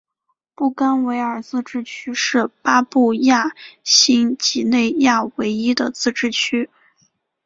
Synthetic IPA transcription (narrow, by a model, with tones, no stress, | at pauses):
pu˥˩ka˥nwe˧˥ɪə˞˨˩t͡sɹ̩˥˧ʈ͡ʂɻ̩˥˩t͡ɕʰy˥ʂɻ̩˥˩pa˥pu˥˧ja˥˩ɕi˥ŋt͡ɕi˧˥˩ne˥˧ɪja˥˩we˧˥ɪi˥d̪ə˨t͡sɹ̩˥˧ʈ͡ʂɻ̩˥˩t͡ɕʰy˥